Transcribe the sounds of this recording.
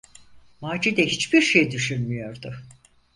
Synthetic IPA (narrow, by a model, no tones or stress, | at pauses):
maːd͡ʒid̪ɛhit͡ʃbiɾʃejd̪yʃynmyjo̞ɾd̪ʊ